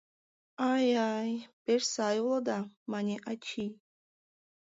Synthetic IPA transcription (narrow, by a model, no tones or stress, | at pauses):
ajajbeɾsajlɔd̪amanʲiʔat͡ʃʰi